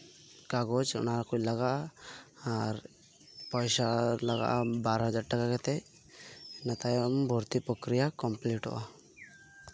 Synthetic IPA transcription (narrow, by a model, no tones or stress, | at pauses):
kaɡɔt͡ʃɔ̰naɾakuclaɡaʔaː | ɾ | pɔjsalaɡa̰ʔabaɾɦɔd͡ʒaɾʈakakɛt̪ɛ | nat̪ajɔmbʱɔɾt̪ipɾɔkɾijakɔmpliʈɔ̰ʔa